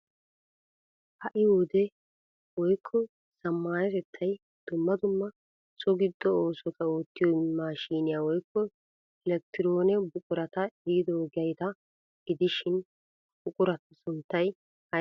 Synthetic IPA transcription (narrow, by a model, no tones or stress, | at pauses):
hɐʔɪhud̪ɛ | wɔjkʰːɔ | sɐmːaːnɛt̪ɛt̪ʰːɐj | d̪̥ʊmːɐd̪ʊmːɐ | sɔɡɪd̪ːɔoːsɔt̪ʰɐoːt̪ːɪjɔmaːʃiːnɪjawɔjkːɔ | ɛlɛk̚t̪ɪɾo̞ːnɛbʊkʼʊɾɐt̪ɐɪɾɪd̪oːɡɐjt̪ɐ | ɡ̥ɪd̪ɪʃɪn | bʊkʼʊɾɐt̪ɐsʊnt̪ːɐj | hɐ